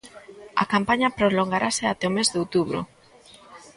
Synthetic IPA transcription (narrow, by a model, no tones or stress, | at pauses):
ɐ̰kampaɲɐpɾoloŋɡaɾʔaseat̪ɛomezðeowt̪uβɾʊ̰